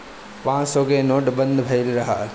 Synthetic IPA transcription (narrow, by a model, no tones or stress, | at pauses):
pãːsoːɡeːnoːʈbɐnd̪bʱɐjlɾɐɦɐ